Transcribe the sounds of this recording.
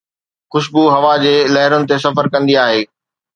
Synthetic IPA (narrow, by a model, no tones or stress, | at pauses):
xʊʃbuɦɐʋad͡ʑeːlɐɦɪɾʊnɪ̆t̪es̬ɐfəɾkɐ̃nd̪iaːɦeː